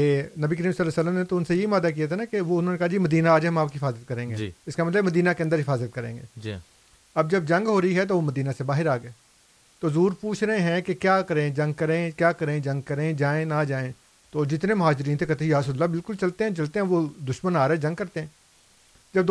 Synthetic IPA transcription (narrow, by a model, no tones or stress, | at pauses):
eːnɐbik̬əɾiːmsəlɛːsəlːəmnet̪oʊnsejeɪmaːd̪ak̬ijat̪ʰanakeʋoʊnɦoːnekaɦad͡ʒiːmɐd̪iːnaaːd͡ʒɛɦɐmaːp̚kiɦɪfaːzət̪̚kɐɾẽːŋɡeɪskamɐt̪ləbmɐd̪iːnakeɐ̃nd̪əɾɦɪfaːzət̪̚kɐɾḛ̃ːŋɡḛːd͡ʒ | ɐbd͡ʒɐb̚d͡ʒɐ̃ŋɡɦoːɾəiɦɛt̪̬oːʋoːmɐd̪iːnasebaːɦɪɾaːɡeː | t̪oːzuːɾpuːt͡ʃʰɾəẽɦɛ̃kekjaːkɐɾẽd͡ʒɐ̃ŋɡ̚kɐɾẽkjaːkɐɾẽːd͡ʒɐ̃ŋɡ̚kɐɾẽd͡ʒaːẽnad͡ʒaːẽ | t̪oːd͡ʒɪt̪nemʊɦaːd͡ʒɪɾiːnt̪ʰeːkɐt̪ːijaːsəd̪ʊlːabɪlkʊlt͡ʃɐlt̪eɦɛ̃t͡ʃɐlt̪eɦɛ̃ʋod̪ʊʃmənaːɾẽd͡ʒɐ̃ŋɡ̚kɐɾt̪eɦɛ̃ː | d͡ʒɐb̚d̪